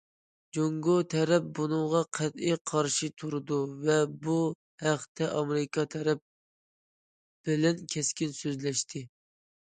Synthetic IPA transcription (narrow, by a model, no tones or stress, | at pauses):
d͡ʒoŋɡot̪ʰɛɾɛp̚bunɨŋʁɑqʰæt̪ijqʰɑɾʃit̪ʰuɾɨd̪uvɛbu | hæqt̪ʰɛʔɑmeɾɪkʰɑt̪ʰɛɾɛp̚ | b̥ɪlɛnkʲʰɛskʲinsøzlɛʃt̪ʰɪ